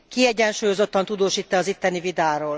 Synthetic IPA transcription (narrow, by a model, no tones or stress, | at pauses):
kiɛɟɛnʃuːjo̞zo̞t̪ːɒnt̪ud̪oːʃiːt̪ːɛɒzit̪ːɛnivid̪aːɾoːl